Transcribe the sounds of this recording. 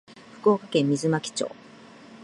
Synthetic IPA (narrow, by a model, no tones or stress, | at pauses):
ɸɯ̟̥kɯoːkakẽ̞mːʲizɨmakʲi̥t͡ɕo̰ː